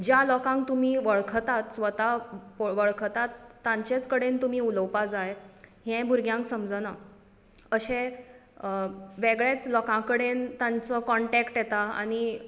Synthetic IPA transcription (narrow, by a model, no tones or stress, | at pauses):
d͡ʑjalɔkãŋk̚t̪um̤iːʋəɭkʰt̪at̪sʋət̪apoʋəɭkʰt̪at̪ːãɲt͡ɕet͡skəɽent̪um̤iːuləwpad͡zaɭeɦɛ̃bʱuɾɡjãŋksəmd͡zəna | əɕẽ | ʋeɡɭet͡slɔkãkəɽent̪ãnt͡sɔkɔɳʈɛkʈjɛt̪aa̰ñi